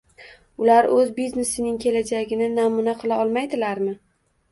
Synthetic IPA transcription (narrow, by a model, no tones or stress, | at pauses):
ʊlaɾɵzbizne̞sɪnɪŋkʲʰe̞lad͡ʒaɡʲɪnɪnamʊnaqʰɨlˠaɒlˠmajd̪ɪlaɾmɪ